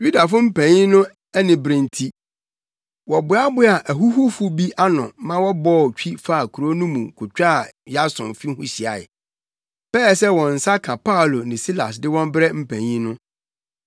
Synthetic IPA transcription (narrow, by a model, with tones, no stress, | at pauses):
ju˦da˨fʊ˦m̩˦pʰæ̃˨ɲĩ˦nʊ̃˦ | ɛ˦nɪ̃˨bɾɪ̃˨ntʰi˦ | wɔ˨bʊ˨˦a˦bʊ˦a˨ʔæ˨ɦu˦ɦʊ˦fu˦bi˦ʔa˦nʊ̰̃˨mã˦wɔ˦bɔː˦˨t͡ɕᶣi˦fa˦a˨kʰu˨ɾo˦nũ˦mũ˨kʰʊ˨t͡ɕᶣa˦˨ja˦sʊ̰̃˨n˨fi˦hʊ̃˦ɕi˨a̰˨ɪ̰˨ | pɛː˦˨sɛ˦wɔ̃˨n̩˨sa˦kʰã˨pa˦ʊ˨lo˨nɪ̃˨si˦la̰˨sdɪ˦wɔ̃˦m˦bɾɛ˦m̩˦pʰæ̃˨ɲĩ˦nʊ̃˦